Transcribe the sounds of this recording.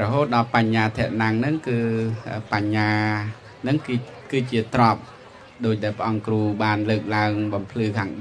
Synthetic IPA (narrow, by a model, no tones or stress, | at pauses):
rɔɦoːt̪̚ɗɑlpaɲːaːt̪ʰɛ̆əʔ̚naŋnɨŋkɨːʔəːpaɲːaː | nɨŋ | kɨːt͡ɕiət̪rŏp̚ | ɗoːc̚ɗaɛlpə̆ʔɑŋkruːɓaːnləːk̚laəŋɓɑmpʰlɨːkʰaːŋ